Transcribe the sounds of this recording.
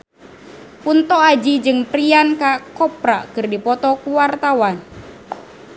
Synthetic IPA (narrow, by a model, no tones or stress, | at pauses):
punt̪ɔad͡ʒid͡ʒɨŋpɾiankakɔpɾakɨrdipɔt̪ɔkuwart̪awan